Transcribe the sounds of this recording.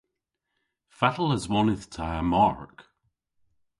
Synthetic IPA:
fatəl̩ˠəzwɔnɪθtʰəəmaɹk

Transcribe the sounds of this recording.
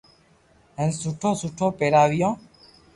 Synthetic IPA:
ɦə̃nsuʈʰõːsuʈʰõːpeːɾaːʋijɔ̃ː

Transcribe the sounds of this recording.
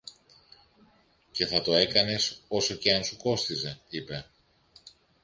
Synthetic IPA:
ce̞θɐt̪o̞e̞kɐne̞so̞so̞ce̞ɐnsuko̞st̪ize̞ipe̞

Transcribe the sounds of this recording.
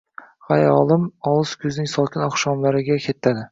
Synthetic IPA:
χajɒlˠɪmɒlˠɨskʰʲɵznɪŋsɒlˠkʲʰɪnɒχʃɒmlaɾɪɡʲakʲʰe̞t̪ʰːad̪ɪ

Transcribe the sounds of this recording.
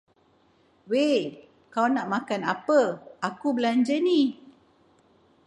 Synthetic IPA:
weʔ | kawnaʔmakanapəakubəlaɲd͡ʒəni

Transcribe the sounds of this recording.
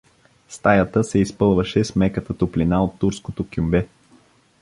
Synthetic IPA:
st̪ajət̪əsɛispɤlˠvəʃɛsmɛkət̪ət̪oplinaot̪ːuɾskot̪okʲumbɛ

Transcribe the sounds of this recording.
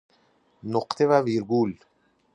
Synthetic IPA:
noqt̪ʰevaviɾɡul

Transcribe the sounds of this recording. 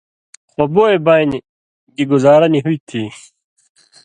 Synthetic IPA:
xoboebaini | ɡiɡuzaːɾɐniɦuit̪ʰi

